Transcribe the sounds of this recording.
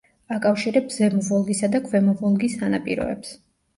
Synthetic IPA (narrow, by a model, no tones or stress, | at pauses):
akʼafʃiɾɛbzɛmɔvɔlˠɡisad̪akʰvɛmɔvɔlˠɡisanapʼiɾɔ̰ɛ̰ps